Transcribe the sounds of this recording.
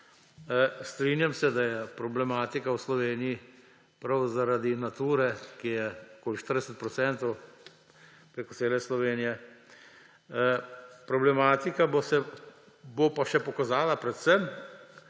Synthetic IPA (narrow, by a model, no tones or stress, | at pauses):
st̪ɾiːnjamsɛd̪ajɛpɾɔblɛmaːt̪ikawslɔʋeːniji | pɾawzaɾad̪inat̪uːɾɛkijɛkoːliʃt̪əɾd̪ɛsɛt̪̚pɾɔt̪sɛnt̪ɔw | pɾeːkɔtseːlɛslɔʋeːnijɛ | pɾɔblɛmaːt̪ikabosɛ | bopaʃɛpɔkazaːlapɾɛt̪sɛm